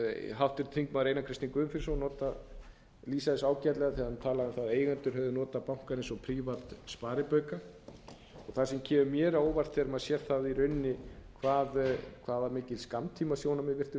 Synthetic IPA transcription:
ɦawft̪ɪɾt̪ʰiŋkmaðɾeːjnakʰɾɪst̪iŋkʏʏmfɪɾsɔnɔːt̪a | liːsaðɪsaːwcɛt̪lɛɣaθiaðmt̪ʰaːlaðɪmθaðeːjɣant̪ʏɾ̥hœvðʏnɔːt̪apawŋ̥kaɾejnsɔpʰɾiːvat̪spaːɾɪpœɥka | ɔɣθasɛmcʰɛːmʏmjɛːɾaoːwvar̥t̪θɛɾmaðsjɛɾ̥θaðiɾʏnːɪkʰvaːðkʰvaːvaɾmɪːcɪlskamt̪ʰiːmasjoːwnamɛðvɪr̥t̪ɪ

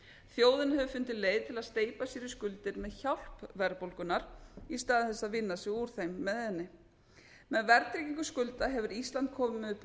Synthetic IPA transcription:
θjoːwðɪnhɛvʏfʏnt̪ɪleːjðt̪ʰɪlaðst̪eːjpasiːɾɪskʏlt̪ɪɾmɛðçawl̥pvɛɾpowlkʏnaɾ̥ist̪aːðɪθɛsːaðvɪnːasɪuɾ̥θejmːɛðhɛnːɪ | mɛðvɛɾt̪ɾiciŋkʏskʏlt̪aɦɛvʏɾist̪lant̪̚kʰɔːmʏmʏp

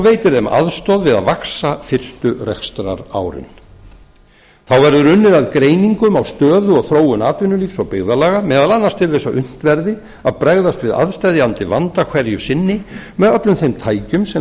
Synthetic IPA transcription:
veːjt̪ɪɾðɛmʔa̰ðst̪ɔðvɪða̰ðvaksafɪr̥st̪ʏrɛ̰kst̪ɾa̰ɾa̰ːwɾɪ̰n | θawvɛɾðʏɾʏnːɪðaðkɾeːjniŋkʏmawst̪œːðʏɔɣθɾoːwʏnaːt̪vɪnːʏliːfsɔɣpɪɣðalaːɣamɛːðalanːast̪ʰɪlvejsaʔʏn̥t̪vɛɾðɪ | aðpɾɛɣðast̪vɪða̰ðst̪ajðɪant̪ɪvant̪akʰvɛɾjʏsɪnːɪmɛðœt̪lʏmθejmt̪ʰaːjcʏmsɛ

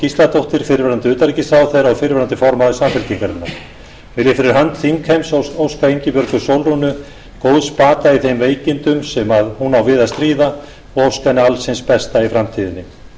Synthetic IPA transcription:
cist̪lat̪ʰowht̪ɪɾ̥fɪɾvɛɾant̪ɪʏːt̪aɾicɪst̪ɾawθejɾaɣfɪɾvɛɾant̪ɪfɔɾmaðʏsamfɪɾ̥t̪iŋkaɾɪnːaɾ | vɪlɪfɪɾɪɾɦant̪θiŋkhejmsoowskaejɲcɪpœɾkʏsowlrɔnːʏ | kowðspaːt̪aiθejmveːjcɪnt̪ʏmsɛmaðhunawvɪːðast̪ɾiːða | ɔɣowskajnɪalsɪnspɛst̪aifɾamt̪ʰiːðɪnːɪ

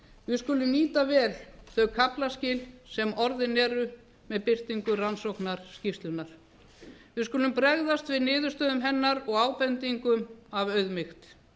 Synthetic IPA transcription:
vɪðskʏːlʏmniːt̪avɛːlθœɥkʰaplascɪːlsɛmɔɾðɪnɛːɾʏ | mɛðpɪr̥t̪iŋkʏransowknaɾ̥scɪft̪lʏnaɾ̥ | vɪðskʏːlʏmpɾɛɣðast̪vɪðnɪːðʏ̥st̪œːðʏmɦɛnːaɾɔɣaːwpɛnt̪iŋkʏmavœɥðmɪxt̪

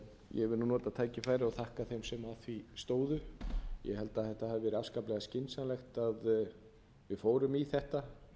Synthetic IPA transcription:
jɛvɪlnnɔːt̪at̪ʰaːjcɪfaːjɾɪɔθahkaθejmsɛmaθvist̪oːwðʏjɛ̰hɛlt̪aðθɛht̪ahavɪvɛːɾʏafskaplɛɣascɪnsanlɛxt̪að | vɪðfoːwɾʏmiθɛht̪a

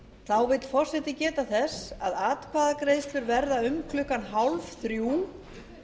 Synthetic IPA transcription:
θawvɪt̪fɔr̥sɛht̪ɪcɛːt̪aθɛsːaðaːt̪kʰvaːðakɾeːjst̪lʏɾvɛɾðaʏmkʰlʏkanɦawlvθɾjuː

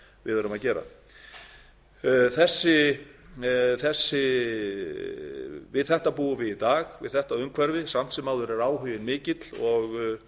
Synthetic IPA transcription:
vɪ̰ðœɾʏmaðcɛːɾa̰ | θɛsːɪ | θɛsːɪ | vɪðθɛht̪apuːʏvɪðit̪aːɣvɪ̰ðθɛht̪aðʏmkʰvɛɾvɪsam̥t̪sɛmaːwðʏɾɛɾaːwɦʏjɪnmɪːcɪt̪l̥ɔɣ

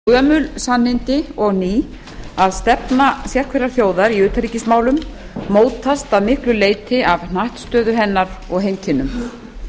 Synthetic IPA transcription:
kœːmʏlsanːɪnt̪ɪɔɣniː | aðst̪ɛpnasjɛr̥kʰvɛɾaɾ̥θjoːwðaɾiʏːt̪aɾicɪsmaːwlʏm | moːwt̪ʰast̪aðmɪhklʏleːjt̪ɪavnaht̪st̪œːðʏɦɛnːaɾɔɣɦejnt̪ʰɪnːʏm

